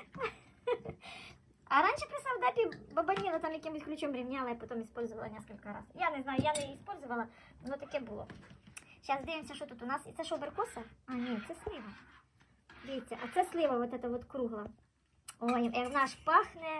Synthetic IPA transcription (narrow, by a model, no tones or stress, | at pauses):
ɐɾanʲʃɛpɾɪsɑwd̪apʲibɐbɐnʲinɐt̪ɑmjɐkʲimʊsʲklʲʊt͡ʃomɾʲɪmnʲalˠɐipɐt̪omispɔlʲzʊʋɐlˠɐnʲɛskɐlʲkɐɾa̰zjanɪznajʊjanɛispɔlʲzʊʋɐlˠɐ | nɔt̪ɐkʲɛbʊlˠɔ̰ɕasʲd̪ejɪmsʲɐʃɔt̪ut̪ʊnɑsit̪sɛʃɔbɛrkɔsɐɑnʲɛt̪sɛslʲˠɪʋɐ | ʋʲijt̪ʲːɛʔɐt̪sɛsʲlˠɪʋɐʋɔt̪ɛt̪ɐʋɔt̪kɾuɦlˠɐ | ojɛnɑʂpɑxnɛ